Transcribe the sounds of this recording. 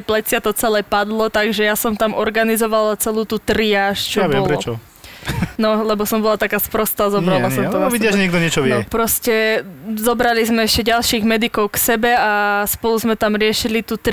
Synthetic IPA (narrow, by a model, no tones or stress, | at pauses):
ɛplɛt͡sɪat̪ɔt͡sɛlɛpad̪lɔt̪aɡʒɛjasɔmt̪amɔɾɡanizɔʋalat͡sɛluːt̪uːt̪ɾiaːʃt͡ʃɔʋɛɔlɾɛɔt͡ʃɔ | nɔlɛbɔsɔmbɔlat̪akaːspɾɔst̪aːzɔbɾalasɔmt̪ɔɔidɪaʒɛɲɛɡ̚d̪ɔɲɪɛt͡ʃɔʋnɛɔpɾɔscɛzɔbɾalizmɛɛʃcɛɟalˠʃiːɣmɛd̪ikɔʊksɛbɛaspɔluzmɛt̪amɾɪɛʃilit̪ut̪